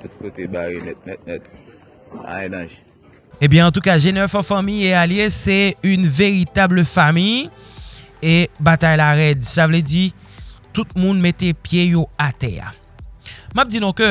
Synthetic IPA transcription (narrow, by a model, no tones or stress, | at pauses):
t̪ut̪̚kot̪ebaɣenɛt̪̚nɛt̪̚nɛt̪̚ | a̰ɛnaʒ | ebjɛ̃ɑ̃t̪ukaʒenɛfɑ̃fãmijealjesɛynveʁit̪abləfamij | ebat̪ajlaʁɛd̪savlɛd͡zi | t̪ut̪̚mũnmet̪epjejoat̪ɛ̰a̰ | map̚d͡zinɔ̃kø